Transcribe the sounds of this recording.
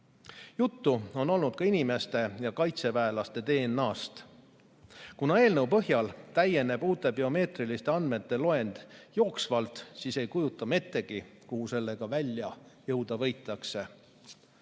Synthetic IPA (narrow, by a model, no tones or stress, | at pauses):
jut̪ːuo̞no̞lnud̪̥kɑinime̞st̪e̞jɑkɑjt̪se̞væelɑst̪e̞t̪e̞ːnːɑːst̪ | kunɑe̞ːlnəwpɤɦjɑlt̪æjːe̞ne̞b̥uːt̪ːˑe̞bio̞me̞ːt̪rilist̪e̞ɑnd̪me̞t̪ːe̞lo̞e̞nd̪̥jo̞ːksvɑlt̪ˑsiːse̞jkujut̪ːˑɑme̞t̪ːˑe̞ɡ̥ikuhuse̞lːe̞ɡ̥ɑvælʲːjɑjɤwd̪̥ɑvɤ̞jt̪ːˑɑkse̞